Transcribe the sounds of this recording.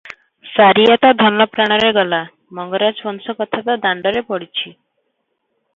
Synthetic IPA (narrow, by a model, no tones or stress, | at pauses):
saɾijat̪ad̪ʱənləpɾaɽ̃əɾeɡəla | məŋɡəɾat͡sʋənsəkət̪ʰat̪ad̪aɳɖəɾepəɽt͡ɕʰi